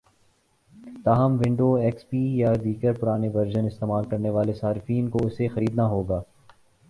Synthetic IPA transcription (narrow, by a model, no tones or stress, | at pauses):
t̪aːɦəmʋɪ̃ɳɖoɛːkspiːjad̪iːɡəɾpʊɾaːneʋɐɾd͡ʒənɪst̪eːmaːlkɐɾneʋaːlesaːɾɪfiːnkoʊsexɐɾiːd̪naɦoːɡaː